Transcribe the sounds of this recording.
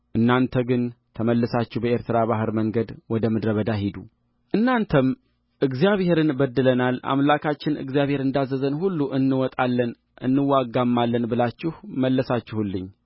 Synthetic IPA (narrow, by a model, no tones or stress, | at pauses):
ʔɨnːant̪ʰəɡɨnt̪ʰəməlːɨsat͡ʃːɪhbəeɾt̪ʰɨɾaβaɦɨɾməŋɡəd̪wɔd̪əmɨd̪ɾəβəd̪aɦid̪u | ʔɨnːant̪ʰəm | ʔɨɡzijaβhe̞ɾɨnbəd̪ːɨlənala̰mlakʰat͡ʃːɪnɨ̰ɡzijaβhe̞ɾɨnd̪azːəzənhulːuʔɨnːɨwɔt̪ʼalːən | ʔɨ̰nːɨwːaɡamːalːənbɨlat͡ʃːɪhməlːəsat͡ʃːɪhulːɨɲː